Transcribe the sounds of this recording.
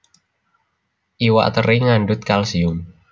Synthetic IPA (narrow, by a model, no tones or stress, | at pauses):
ʔiwa̰ʔt̪əɾiŋanɖʊt̪̚kalsiʊm